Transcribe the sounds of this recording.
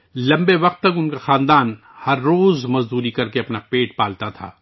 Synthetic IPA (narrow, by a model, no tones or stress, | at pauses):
lɐ̃mbeʋɐq̚t̪ːɐk̬ʊnkaxãːnd̪aːn | hɐɾːoːzmɐzd̪uːɾikɐɾkeɐpnapeːʈpaːlt̪at̪ʰa̰ː